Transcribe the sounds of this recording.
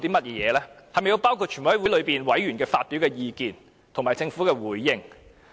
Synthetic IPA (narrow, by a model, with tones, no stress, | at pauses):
t̪i˥mɐ˥t̚jɛː˨˧jɛː˨˧lɛː˥hɐ˨jme˨ji˧wpaː˥wkʰu˧t̚t͡ʃʰy˨˩muː˨˥˨wu˨˥lɵ˨˧piː˨˩nwɐ˨˥jɥyː˨˩nkɛː˧faː˧t̚pi˨˥wkɛː˧jiː˧kiː˨n | t̪ʰo˨˩ŋmaː˨˩jt͡sɪ˧ŋfuː˨˥kɛː˧wuː˨˥jːɪ˧ŋ